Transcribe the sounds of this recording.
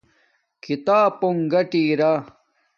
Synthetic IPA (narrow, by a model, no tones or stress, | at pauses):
kit̪aːpoŋɡɐʈiːɾa